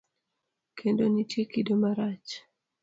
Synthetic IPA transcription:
kʰendonitjekidomaɾat͡ʃ

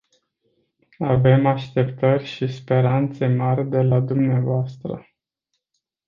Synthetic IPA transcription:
ave̞maʃt̪e̞pt̪ərʲʃispe̞ɾant̪se̞marʲd̪e̞lad̪umneavoast̪ɾə̰

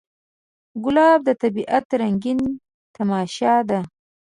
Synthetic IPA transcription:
ɡʊlɑbd̪ət̪abiʔat̪ɾaŋɡin | t̪amɑʃɑd̪a

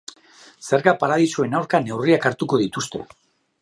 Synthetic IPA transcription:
se̞ɾkapaɾaðisue̞nawɾkane̞wriakaɾt̪uko̞ðit̪ust̪e̞̰

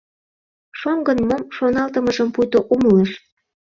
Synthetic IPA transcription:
ʃoŋɡənmomʃonɑlt̪əməʒəmpujt̪oʔumələʃ

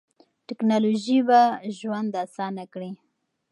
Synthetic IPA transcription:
ʈɪknɑloʒibaʒwand̪asɑnakɽi

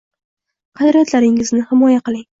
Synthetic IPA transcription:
qʰɑd̪ɾijat̪ʰlaɾɪŋɪznɪhɪmɒjaqɨlˠɪŋ

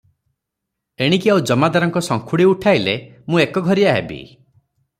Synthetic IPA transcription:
eɽ̃ikiawud͡ʒɔmad̪aɾɔŋkɔsɔŋkʰuɽiuʈʰajle | mũekɔɡʱɔɾiaɦebḭ

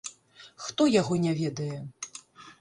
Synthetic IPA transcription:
xt̪ɔjaɣɔnʲavʲɛd̪ɐjɛ

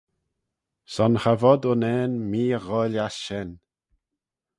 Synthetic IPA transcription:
sɔnxavɔd̪ʊnɛːnmiːəɣɔːljasʃɛn

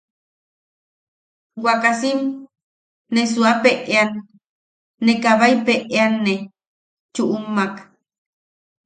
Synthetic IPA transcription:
wakasimː | es̬uapeʔeanː | ekaβajpeʔeanːe | t͡ʃuʔumːak

